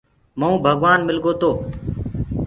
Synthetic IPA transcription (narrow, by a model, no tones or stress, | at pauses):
məũːbʱəɡʋaːnmɪlɡoːt̪oː